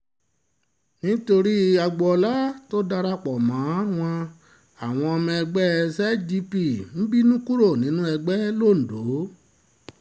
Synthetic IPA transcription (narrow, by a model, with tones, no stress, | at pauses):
nĩ˦to˧ɾi˦a˧ɡ͡bɔ˨ɔ˧la˦to˦da˧ɾa˦k͡pɔ˨mã˨˦w̃ɔ̃˧ | a˨w̃ɔ̃˧ɔ˧mĩ˧ɛ˧ɡ͡bɛ˦˧sɛ˦d͡ʒi˦pi˨m̩˦bi˦nũ˦ku˦ɾo˦˨nĩ˨˦nũ˦ɛ˧ɡ͡bɛ˦lo˦˨n̩˨do˨˦